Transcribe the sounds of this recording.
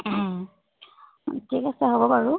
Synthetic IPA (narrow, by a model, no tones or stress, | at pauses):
tʰikasɛɦobɔpaɹu